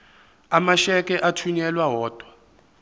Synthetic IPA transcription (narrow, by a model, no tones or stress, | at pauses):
amaʃɛkʼɛʔatʰuɲɛlwaɦɔːd̥ʱwa